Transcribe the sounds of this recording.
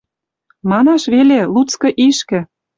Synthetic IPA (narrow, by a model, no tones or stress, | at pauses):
mɑnɑʃβelelut͡skɤ̆ʔiʃkɘ̆